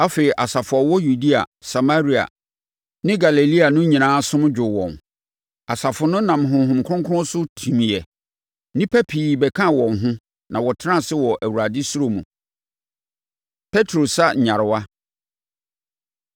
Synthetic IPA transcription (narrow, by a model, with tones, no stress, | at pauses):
a˦fe˨i˨ʔa˨sa˨fʊ˨ɔ˨wɔ˦ju˨di˦a̰˨sa˨ma˦ɾi˦a̰˨ | nɪ̃˦ɡa˨le˨li˦a˨nʊ̃˦ɲĩ˨nãː˨˦sʊ̃˦m˦d͡ʑᶣʊ˨wɔ̰̃˨n | a˨sa˨fʊ˨nʊ̃˦nã˨m˨ɦʊ̃˨ɦʊ̃˨m˨kʰʊ˦ʊ̃˦ŋkʰʊ˦ʊ̃˦sʊ˦tʰĩ˨mĩ˨ɛ˨ | nɪ̃˦pʰɛ˦pʰiː˨bɛ˨kʰã˦˨wɔ̃˨nɦʊ̃˦ | nã˨wɔ˨tʰɪ˦ã˦˨sɪ˦wɔ˨ʔæ˨wu˨ɾa˨dɪ˦su˦ɾo˦mṵ̃˨ | pʰɛ˦tʰɾo˨sa˦˨ɲã˨ɾɪ˨wa˦